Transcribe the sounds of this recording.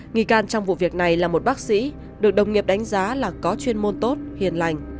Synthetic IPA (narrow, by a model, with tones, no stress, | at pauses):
ŋi˧˩kaː˧nt͡ɕɔ˧wŋ͡mvṵ˧˨vi˨˩ək̚na˨˩jlaː˨˩mo˨˩t̚ɓaː˦˥k̚sḭ˧˥ | ɗɨ˨˩ək̚ɗə˨˩wŋ͡mŋi˨˩əp̚ɗa˨˦jŋ̟zaː˨˦laː˨˩kɔ˨˦t͡ɕwi˧ənmo˧nt̪o˦˥t̚hḭ˨˩ənla˨˩jŋ̟